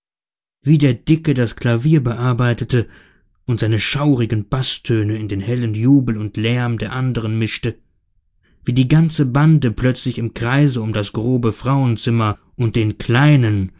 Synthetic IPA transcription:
viːdeːɐdɪkədaskʰl̥aviːɐbəʔaɐbaɪtətə | ʔʊntz̥aɪnəʃaʊʁɪɡn̩b̥astʰøːnəɪndeːnhɛlənjuːbl̩ʊntʰlɛɐmdeːɐʔandəʁ̞ənmɪʃtə | viːdiːɡant͡səbandəplœt͡slɪçɪmkʁ̥aɪzəʊmdasɡ̥ʁoːbəfʁ̥aʊənt͡sɪmɐ | ʔʊnt̚d̥eːnkʰl̥aɪnən

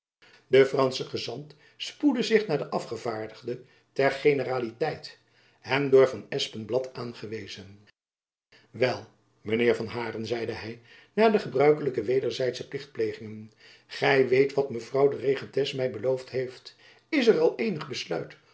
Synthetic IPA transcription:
dəfrɑnsəχəzɑnt | spudəzɪχnaːɹdəʔɑfχəvaːɹdəχdə | tɛɹχejnəraːlitɛjt | ɦɛmdʊːɹvɑnɛspənblɑtʰaːnχəʋejzən | ʋɛlˠ | mənɪːɹvɑnɦaːrənzɛjdəɦɛj | naːɹdəχəbrœɥkələkəʋejdəɹzɛjtsəplɪχt̚plejχɪŋən | χɛjʋejtʋɑtməvrɑwdəreχətɛsmɛjbəlowftɦejft | ɪsərɑlˠejnəχbəslœ̰ɥt

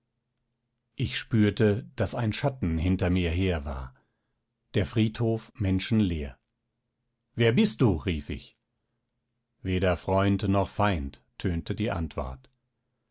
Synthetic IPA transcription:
ʔɪçʃpyːɐtəd̥asaɪnʃatn̩ɦɪntɐmiːɐɦeːɐva̰ːɐ | d̥eːɐfʁ̥iːthoːfmɛnʃn̩leːɐ | veːɐbɪst̚d̥uːʁiːfɪ̰ç | veːdɐfʁ̥ɔʏntnɔχfaɪntʰːøːntədiːʔa̰ntv̥ɔ̰ɐt

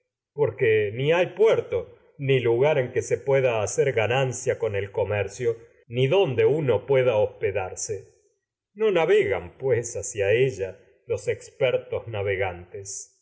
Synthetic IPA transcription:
po̞ɾkeniajpwɛɾt̪o̞ | niluɣaɾe̞ŋkesepweðaːseɾɣanansjako̞nelko̞mɛɾsjo | niðo̞nd̪e̞uno̞pwe̞ðaohpeðaɾse | no̞naβeɣampwesasjaeʒa | lo̞sekspɛɾt̪oznaβeɣant̪es

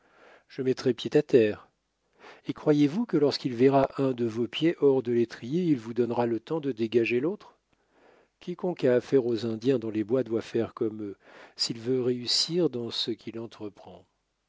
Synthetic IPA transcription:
ʒ̥əmɛt̪χɛpjet̪at̪ɛːʁ | ekχwajevukəlɔʁskʲilvɛʁaʔɛ̃d̪əvopjeʔɔʁd̪əlet̪χijeilvud̪ɔnʁalət̪ɑ̃d̪əd̪eɡaʒelot̪χ | kʲʰikɔ̃kaːfɛʁozɛ̃d̪jɛ̃d̪ɔ̃lebwad̪wafɛʁkɔmøsilvøʁeysiʁd̪ɑ̃səkʲʰilɑ̃t̪χəpχɑ̃

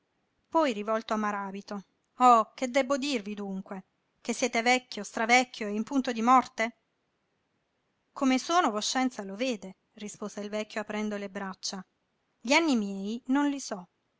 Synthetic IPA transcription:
pɔjrivɔlt̪oamːaɾaːbit̪o | ɔked̪ːɛbːod̪irvid̪uŋkwe | k̟esːjɛːt̪evɛkʲːost̪ɾavɛkʲːoeimpunt̪od̪imɔrt̪e | komesoːnovoʃːɛnt̪saloveːd̪e | rispoːzeilvɛkːjoapːɾɛnd̪olebɾat͡ʃːa | ʎianːimjɛːjnonlisɔ

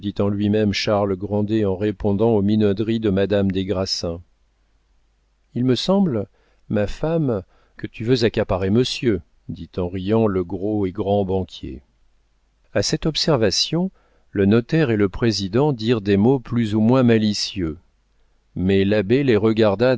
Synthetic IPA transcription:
d̪it̪ɑ̃lɥimɛmʃaʁlɡʁɑ̃d̪eɑ̃ʁepɔ̃d̪ɑ̃ominɔd̪ʁid̪əmad̪amd̪eɡʁasɛ̃ | ilməsɑ̃blː | afam | kət̪yvøzakapaʁeməsjø | d̪it̪ɑ̃ʁijɑ̃ləɡʁoeɡʁɑ̃bɑ̃kʲʰjḛ | asɛt̪ɔpsɛʁvasjɔ̃ | lənɔt̪ɛʁeləpχezid̪ɑ̃d̪iʁd̪emoplyzumwɛ̃malisjø | mɛlabeleʁəɡaʁd̪a

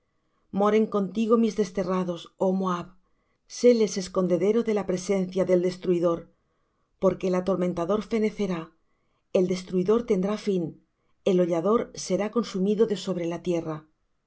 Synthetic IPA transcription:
mo̞ɾe̞ŋko̞nt̪iɣ̞o̞mizðe̞st̪e̞raðo̞so̞moaβ | selese̞sko̞nd̪e̞ðe̞ɾo̞ðe̞lapɾe̞se̞n̟θjaðe̞ld̪e̞st̪ɾuiðo̞ɾ | po̞ɾkeːlat̪o̞ɾment̪aðo̞ɾfe̞ne̞θe̞ɾa | e̞ld̪e̞st̪ɾuiðo̞ɾt̪e̞nd̪ɾafin | e̞lo̞ʎaðo̞ɾse̞ɾako̞nsumiðo̞ðe̞so̞β̞ɾe̞lat̪je̞ra

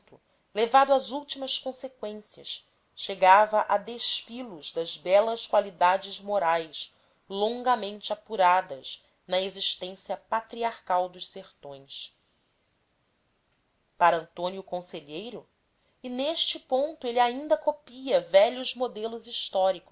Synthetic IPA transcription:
t̪u | levad̪ʊɐzuwt͡ʃimɐskõsekwẽsiɐʃ | ʃeɡavɐʔad̪eʃfilʊzd̪ɐzbɛlɐʃkwalid̪ad͡ʒɪzmoɾajʃ | lõŋɡɐmẽnt͡ʃɪapuɾad̪ɐz | nɐeziʃt̪ẽsijɐpat̪ɾiaɾkawd̪ʊʃseɾt̪õj̃s | paɾɐɐ̃nt̪õnjʊkõseʎejɾʊ | ineʃt͡ʃɪpõnt̪ʊeliaĩnd̪ɐkopiɐvɛʎʊzmod̪elʊziʃt̪ɔɾikʊ̥

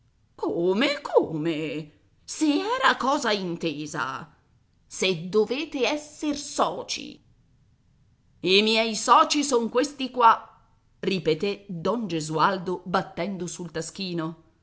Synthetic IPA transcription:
koːmekʰoːme | siɛːɾakɔːzaint̪eːza̰ | sed̪ːoveːt̪eɛsːersɔːt͡ʃḭ | imjɛjsɔːt͡ʃisoŋkwest̪ikwa | ripet̪ed̪ɔnd͡ʒezuald̪obat̪ːɛnd̪osult̪ask̟iːno

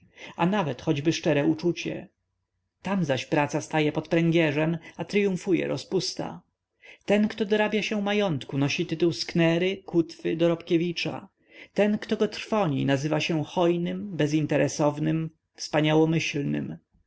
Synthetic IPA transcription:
anavɛt̪xɔd͡ʑbɘʂt͡ʂɛɾɛut͡ʂut͡ɕɛ̰ | t̪amzaɕpɾat̪sast̪ajɛpɔt̪pɾɛŋɡʲjɛʐɛmat̪ɾɘjũfujɛ̰ɾɔspust̪a̰ | t̪ɛnkt̪ɔd̪ɔɾabʲjaɕɛmajɔnt̪kunɔɕit̪ɘt̪uwsknɛɾɘkut̪fɘd̪ɔɾɔpkʲevʲit͡ʂa̰ | t̪ɛnkt̪ɔɡɔt̪ɾfɔɲḭnazɘvaɕɛxɔjnɘmbɛzint̪ɛɾɛsɔvnɘm | fspaɲawɔmɘɕlnɘ̰m

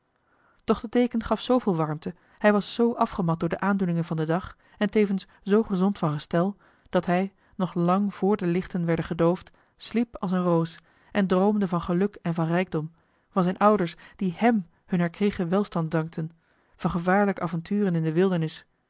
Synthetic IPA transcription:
d̥ɔχd̥ədejkənχɑfsowvɪːlˠʋɑɹmtə | hɛjʋɑsːowʔɑfχəmɑt̚dʊːɹdəʔaːndunɪŋənvɑndədɑχ | ɛntejvəns | z̥owχəzɔntfɑnχəstɛlˠ | d̥ɑtɦɛj | nɔχlɑŋv̥ʊːɹdəlɪχtənʋɛɹdəχədowft | slipɑlˠsənrows | ʔɛndrowmdəvɑnχəlɵkɛnvɑnrɛjɡ̚dɔm | vɑnzɛnʔʌwdəɹsd̥ihɛm | hɵnɦɛɹkreχəʋɛlˠstɑn̚dɑŋk̚tʰən | v̥ɑnχəvaːɹləkəʔaːvɑntyːrənɪndəʋɪlˠdəɹnɪs

